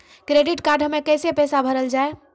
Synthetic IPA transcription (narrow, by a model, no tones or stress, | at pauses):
kɾeɖiʈkaɾɖʱɦəmekəjsepəsabʱəɾəld͡ʒae